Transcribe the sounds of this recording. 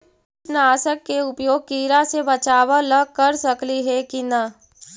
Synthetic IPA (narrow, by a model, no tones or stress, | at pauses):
naːsəkːeʊpjoːɡ̚kiːɾasebɐt͡ʃaːwaləɡ̚kɐɾsɐkliɦɛkinɐ